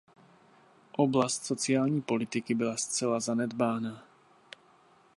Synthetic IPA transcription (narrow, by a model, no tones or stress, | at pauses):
ʔoblascsot͡siaːlɲiːpolɪt̪ɪkɪbɪlast͡sɛlazanɛd̪baːna